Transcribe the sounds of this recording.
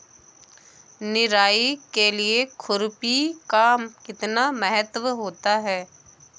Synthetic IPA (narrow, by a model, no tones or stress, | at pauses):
nɪɾaːikeliekʰʊɾpikaːmkɪt̪namɛɦət̪ʋɦoːt̪aɦɛː